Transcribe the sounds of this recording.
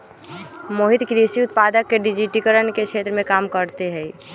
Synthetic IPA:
moːɦid̪kɾisiʊt̪̚paːd̪əkːeɖid͡ʒiʈikəɾənkekʃʰeːt̪ɾəmẽkaːmkəɾt̪eɦɛː

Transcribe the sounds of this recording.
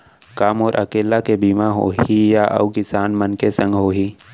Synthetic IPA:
kaːmɔːɾʔɐ̰keːlakebiːmaɦo̰ːɦijaʔə̰wkɪsaːnmənkesə̃ŋɡʱɦoːɦiː

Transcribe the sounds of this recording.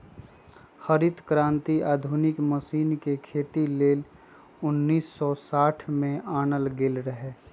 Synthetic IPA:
həɾɪt̪kɾãːnt̪iaːd̪ʱʊnɪkməsiːnkekʰeːt̪ileːl | ʊnːiːsːɔsaːʈʰmẽaːnəlɡelɾəɦeː

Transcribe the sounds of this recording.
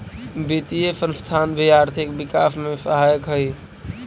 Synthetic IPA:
bit̪ijesə̃st̪ʰanbʱeaɾt̪ʰikbikasmesəɦajəkɦəj

